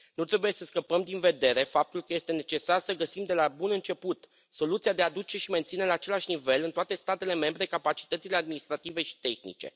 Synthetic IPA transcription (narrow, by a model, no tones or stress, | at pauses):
nut̪ɾe̞buje̞səskəpəmd̪inve̞d̪e̞ɾe̞fap̚t̪ulkəje̞st̪e̞ne̞t͡ʃe̞sarsəɡəsimd̪e̞labunɨnt͡ʃe̞put̪ | so̞lut̪siad̪ead̪ut͡ʃe̞ʃime̞nt̪sine̞laːt͡ʃe̞laʃʲnive̞lɨnt̪oat̪e̞st̪at̪e̞le̞me̞mbɾe̞kapat͡ʃi̥t̪ət̪sile̞ad̪minist̪ɾat̪ive̞ʃi̥t̪e̞xnḭt͡ʃe̞̰